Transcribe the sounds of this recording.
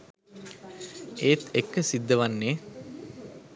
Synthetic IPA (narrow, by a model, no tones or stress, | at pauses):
eːt̪ekːəsid̪ːəʋanːeː